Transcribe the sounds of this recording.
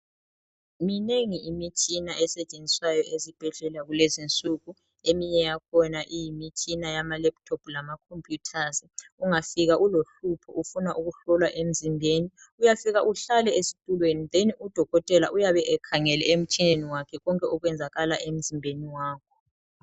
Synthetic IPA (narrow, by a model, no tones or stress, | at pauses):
mineŋiimit͡ʃʼinaʔɛsɛt͡ʃʼend͡zʱiswajɔʔezib̥ʱɛɮɛlaɣulezint͡sʼuɣu | emiɲɛjakʰɔnaʔijimit͡ʃʼinajamalɛp̚tʰɔblamakʰompʼjutʰaziuŋafiɣaʔuloɬupʰɔ̰ʔufunaʔuɣuɬɔlwaʔem̩zimbʱeni | ujafiɣaʔuɬalɛesi̥tʼulweniðeniud̥ʱɔɣɔtʼɛlaʔujaβɛʔɛkʰaŋɛlɛ̰em̩t͡ʃʼineniwakʰɛɣɔŋkʼɛɔɣwɛnd͡zʱaɣalaʔem̩zimbʱeniwaːkʰɔ̥